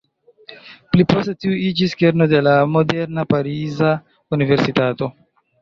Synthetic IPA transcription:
plipostetiuid͡ʒiskeɾnode̞lamo̞deɾnapaɾiza | unive̞ɾsitato̞

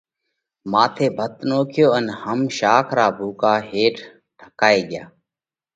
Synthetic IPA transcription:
mãːt̪ʰeːbʱət̪noːkʰjoːənhəmʃaːkʰɾaːbʱuːkaːɦeːʈʰ | ʈʰəkaːeːɠɪjaː

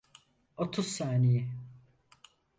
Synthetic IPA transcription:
ot̪ʰuzsaːnijɪ

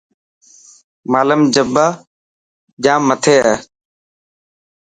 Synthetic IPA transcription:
maːləmd͡ʒəbaː | d͡ʒãːmət̪ʰeːɛː

